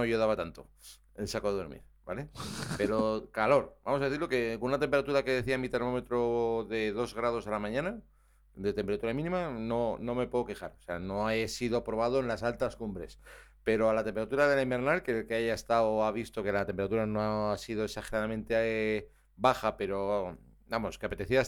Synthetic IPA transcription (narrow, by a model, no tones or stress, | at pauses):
oʝoðaβat̪ant̪o̞ | ensakoðo̞ɾmḭɾbale̞pe̞ɾo̞kalo̞ɾbamos̬aðe̞θiɾloke̞kounat̪e̞mpe̞ɾat̪uɾake̞ðe̞θiamit̪e̞ɾmo̞me̞t̪ɾoðe̞ðo̞zɣɾað̞o̞salamãɲãna | d̪e̞t̪e̞mpeɾat̪uɾamĩnĩmano̞nõ̞me̞pweðo̞ke̞xaɾoseano̞esiðopɾo̞β̞að̞oenlasalt̪askumbɾe̞spe̞ɾo̞alat̪e̞mpeat̪uɾaðe̞limbe̞ɾnalkelkeaʝaest̪aoaβ̞ist̪o̞ke̞lat̪empeat̪uɾano̞aasið̞o̞eksaxeɾaðamẽ̞nt̪e | baxape̞ɾo̞ | amo̞ske̞apet̪e̞θia